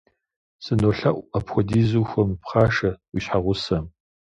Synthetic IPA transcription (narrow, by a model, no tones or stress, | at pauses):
sɨnoːɬɐʔʷɐpxɔdiːzuxʷɔmpχaːʂɐwiɕħaʁʷʊsɐm